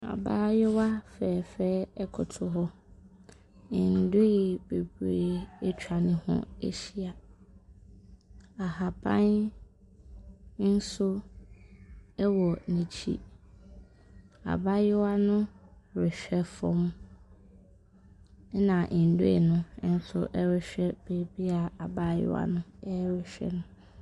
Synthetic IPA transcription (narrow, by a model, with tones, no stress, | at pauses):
a̰˨baː˦jɪ˦wa˦fɛː˨fɛː˦ɛ˦kʰʊ˨tʰʊ˨ɦɔ˦ | ɪ˨n̩˨dʊ˦e˨be˨bɾeː˦˨ɛ˦t͡ɕʰᶣa˨nɪ̃˦hʊ̰̃˦ḛ˦ɕi˦a˨ | a˨ha˨bã̰˦n | n̩˦sʊ˦ | ɛ˦wɔ˨nĩ˨t͡ɕʰḭ˦ | a̰˨ba˦jɪ˦wa˦nʊ̃˦ɾɪ˨ɕᶣɛ˦fɔ̰̃˨m˦ | nã˨ʔn̩˨do˦ḛ˨nʊ̃˦n̩˦sʊ̰˦ʔɛ˦ɾɪ˨ɕᶣɛ˦b̥e˨bi˦a˨a˨ba˦jɪ̰˦a̰˨nʊ̃˦ɛ˦ɾɪ˨ɕᶣɛ̰˦nʊ̃˦